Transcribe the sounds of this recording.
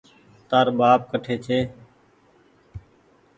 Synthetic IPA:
t̪aːɾɓaːp̚kəʈʰeːt͡ʃʰeː

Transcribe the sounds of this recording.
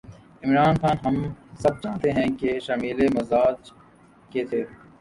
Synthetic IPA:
ɪmɾaːnxaːnɦɐmsɐb̚t͡ʃaːt̪eɦɛ̃keʃaːmiːlemɐzaːd͡ʒ | ket̪ʰeː

